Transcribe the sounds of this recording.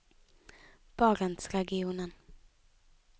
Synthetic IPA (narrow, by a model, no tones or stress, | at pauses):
b̥ɑːɾant̪sɾɛɡɪuːnən